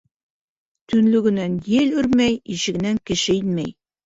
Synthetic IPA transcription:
t̪ɵ̆nlɵɡɘ̆nænjɘlʉɾmæjiʃɘ̆ɡɘ̆næŋkɘ̆ʃɘinmæj

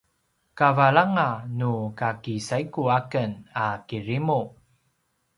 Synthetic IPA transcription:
kavaɭaŋanukakisaikuakənakiɾimu

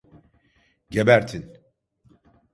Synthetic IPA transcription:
ɟebæɾt̪ʰin

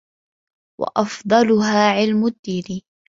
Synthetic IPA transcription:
wɑ̰ʔɑfd̪ˤɑlʊɦaːʕɪlmʊd̪ːiːɾiː

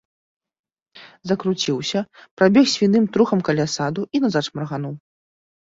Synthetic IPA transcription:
zɐkɾut͡sʲiwsʲɐpɾabʲɛxsʲvʲinɨmt̪ɾuxɐmkalʲasad̪uʔinazat͡ʂmɾɐɣanuw

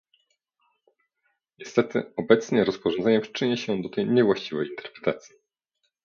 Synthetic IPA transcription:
ɲɛst̪ɛt̪ɘ̰ɔbɛt̪sɲɛɾɔspɔʐɔnzɛɲɛpʂɘ̥t͡ʂɘɲɛɕɛd̪ɔt̪ɛjɲɛvwaɕt͡ɕivɛjint̪ɛ̥ɾpɾɛ̥t̪at̪sʲji

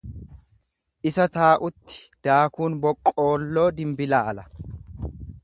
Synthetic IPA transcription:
ʔɪsɐt̪aːʔʊt̪ːɪ̥d̪̥aːkuːnbɔkʼːo̞ːlːo̞ːd̪ɪmbɪlaːɐlɐ

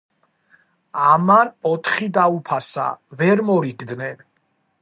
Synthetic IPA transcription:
amanɔt̪ʰχid̪aupʰasa̰vɛɾmɔɾiɡd̪nɛn

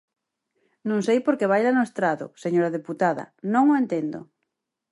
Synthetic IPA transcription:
nõŋsejpoɾkeβ̞ajlanʊest̪ɾaðʊ̰seɲoɾaðeput̪aðɐ̰nõŋoent̪end̪o̰

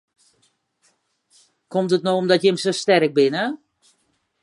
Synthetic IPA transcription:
komtətnoomdɔtjəmsostɛrək̚bɪnə

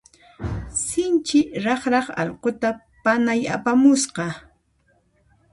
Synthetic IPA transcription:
sɪnt͡ʃɪɾɑχɾɑχɑ̰ʎqot̪a | panaja̰pamʊsqɑ

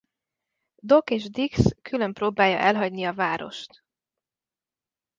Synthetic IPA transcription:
d̪o̞keːʒd̪ikskʰylømproːbaːjːɒ̰ʔɛlɦɒɟniɒvaːɾo̞̰ʃt̪

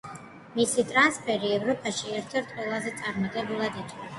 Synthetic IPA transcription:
misit̪ʼɾanspʰɛɾiɛvɾɔpʰʼaʃiɛɾt̪ʰɛɾt̪ʰʼqʼwɛlˠazɛt̪sʼaɾmɔt̪ʼɛbulˠad̪it̪ʰʼkʼa

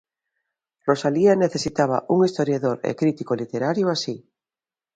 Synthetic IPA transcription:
rosalianeθesit̪aβ̞a̰ʔuŋist̪oɾjaðoɾḛkɾit̪ikolit̪eɾaɾjoasi

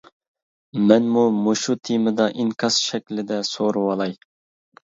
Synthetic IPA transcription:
mɛnmumoʃut̪ʰimɨd̪ɑʔiŋkʲʰɑsʃɛkʲlɪd̪ɛsoɾuwɑlˠɑj

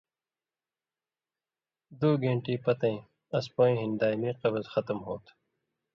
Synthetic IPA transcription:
d̪uːɡẽːɳʈiːpɐt̪ɐ̃ĩ | ɐspõːĩːɦind̪aːjmiːqɐbɐzxɐt̪mɦoːt̪ʰ

